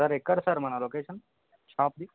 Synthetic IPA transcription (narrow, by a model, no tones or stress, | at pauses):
əɾekːəɽsəɾmɐnaloːkeːʃən | t͡ʃʰãːp̚d̪i